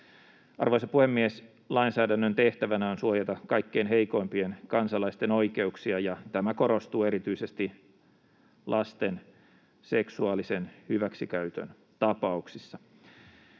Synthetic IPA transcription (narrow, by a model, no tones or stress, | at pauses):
ʔɑ̰rʋoisɑpuhemːies | lɑinsæːdænːønt̪eht̪æʋænæonsuojɑt̪ɑkɑikːeinɦeiko̞impienkɑnsɑlɑist̪eno̞ike̞uksiɑjɑt̪æmækoɾo̞st̪uːe̞ɾit̪yisest̪i | lʔɑst̪en | seksuɑːlisenhyʋæksikæyt̪ø̰n | t̪ɑpɑuksisːɑ